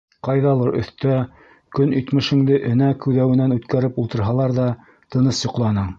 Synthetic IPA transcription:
qɑjðɑlˠɤɾʔɵ̰̆θt̪æ | kɵnit̪mɘ̆ʃɘ̆ŋd̪ɘʔɘ̆nækʉðæwɘ̆nænʉt̪kæɾɘpulˠt̪ɤ̆ɾɦɑlˠɑɾðɑ | t̪ɤ̆nɤsjŏqlˠɑnɤɴ

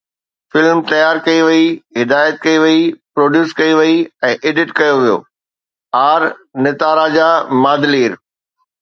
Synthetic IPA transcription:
fɪlmt̪ɐjaːɾkɐiʋiiɦɪd̪aːjət̪̚kɐiʋiipɾoːɖjuːskɐiʋɐiɛ̃ːʔeːɖɪʈkɐjoʋijo̰ː | aːɾnɪt̪aːɾad͡ʑaːmaːd̪liːɾ

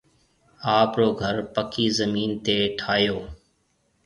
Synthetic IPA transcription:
aːpɾoːɡʱəɾpəkiːzəmiːnt̪eːʈʰaːjoː

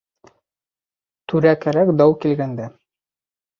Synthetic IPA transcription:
t̪ʉɾækæɾækd̪ɑwkilɡænd̪æ

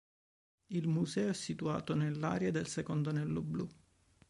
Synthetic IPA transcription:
ilmuzɛːoɛsːit̪ua̰ːt̪onelːa̰ːɾjad̪elsekond̪onɛlːoblu

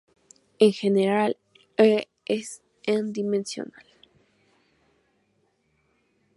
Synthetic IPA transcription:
eŋxeneɾal | e | es | end̪imẽnsjo̰nal

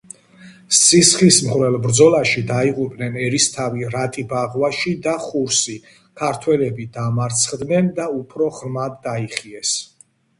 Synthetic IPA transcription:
sisχismχɾɛlˠbɾd̪zɔlaʃid̪aiʁʼupʼnɛnɛɾist̪ʰaviɾat̪ʼibaʁwaʃid̪aχuɾsi | kʰaɾt̪ʰwɛlɛbid̪amaɾt̪sʰχd̪nɛnd̪aupʰɾɔʁɾmad̪ːaiχiɛs

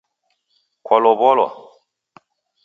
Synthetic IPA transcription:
kwɔlɔβɔlwɔ̰

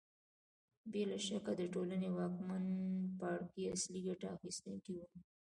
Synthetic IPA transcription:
belaʃakad̪əʈolanewɑkmanpɑɽkiasliɡaʈaːxist̪ənkiwu

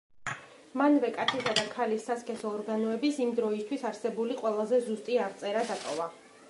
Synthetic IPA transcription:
manvɛkʼat̪sʰisad̪akʰalisːaskʰʼɛsɔːɾɡanɔɛbisimd̪ɾɔist̪ʰwisaɾsɛbuliqʼwɛlˠazɛzust̪ʼiaʁt̪sʼɛɾad̪at̪ʼɔva

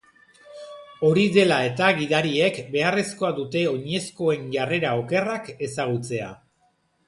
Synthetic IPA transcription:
o̞ɾiðe̞lae̞t̪aɣiðaɾie̞kbe̞are̞sko̞adut̪e̞o̞ɲe̞sko̞e̞nʝare̞ɾao̞ke̞rake̞saɣ̞ut͡se̞a̰

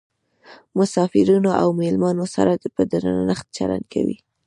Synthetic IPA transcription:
mʊsɑfɪɾunoʔawmelmɑnosa̰ɾad̪pəd̪aɾananəxt̪̚t͡ʃala̰nkʰa̰wḭ

